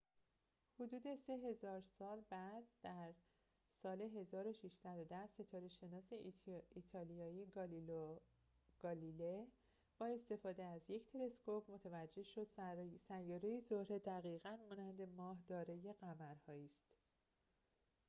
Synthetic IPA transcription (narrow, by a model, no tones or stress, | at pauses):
hod̪uːd̪e̞se̞ɦe̞zɒːɾsɒːlbæd̪̥ːæɾ | sɒːle̞ɦe̞zɒːɾo̞ʃiʃsæd̪od̪æse̞t̪ʰɒːɾeʃe̞nɒːseiːt̪ʰɒːlijɒːjieɡ | ɡ̥ɒːlile | b̥ɒːe̞st̪e̞fɒːd̪eæzje̞cʰt̪ʰe̞le̞skʰopʰmot̪ʰævæd͡ʒːe̞hʃo̞d̪̥sæjːɒːɾejezohɾe̞d̪æɣiːɣænmɒːnænd̪e̞mɒːhd̪ɒːɾeje̞ɣæmæɾhɒːiːst̪